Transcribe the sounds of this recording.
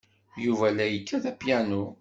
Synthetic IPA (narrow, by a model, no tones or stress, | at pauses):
juvælæjəkːæðæpjænu